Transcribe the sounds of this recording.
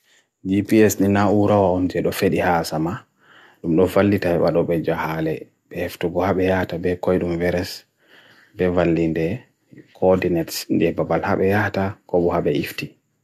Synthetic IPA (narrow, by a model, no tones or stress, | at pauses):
d͡ʒipiɛsninauɾawaɔnd͡ʒɛɗɔfeɗihasama | ɗumɗɔvalːitaɛɓa̰ɗɔɓɛd͡ʒahalɛ | bɛheftuɡɔhaɓɛjatabɛkɔjɗumvɛɾɛs | bɛvalːindɛ | kʰɔdinɛtsnd͡ʒɛbabalha̰ɓɛjatakɔɓɔhabɛifti